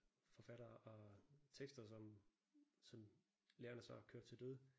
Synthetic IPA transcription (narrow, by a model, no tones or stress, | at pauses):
fɒ̽fæɾ̥ɐːʔɒ̽t͡sʰeɡ̥sd̥ɐsɒ̽m | sɒ̽m | leːɐnəsɑ̈ɪɒkʰøːɐ̥t͡sʰeld̥øð̞ˠ